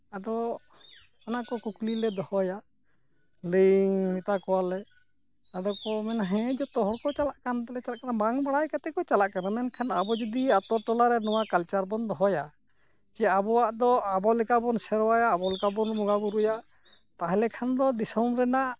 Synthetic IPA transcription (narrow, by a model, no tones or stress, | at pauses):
ad̪ɔ | anakɔkuklilɛd̪ɔhɔja | liŋmit̪akɔwalɛ | ad̪ɔkɔmɛnaɦɛ̃d͡ʒɔt̪ɔɦɔkɔt͡ʃalaʔkant̪ɛlɛt͡ʃalaʔkanabaŋbaɽajkat̪ɛkɔt͡ʃalaʔkanamɛnkʰanabɔd͡ʒud̪iat̪ɔʈɔlaɾɛnɔwakalt͡ʃaɾbɔnd̪ɔɦɔja | t͡ʃɛabɔwaʔd̪ɔabɔlɛkabɔnsɛɾɔwajaːbɔlɛkabɔnmɔɡabuɾuja | t̪aɦɛlɛkʰand̪ɔd̪isɔmɾɛnaʔ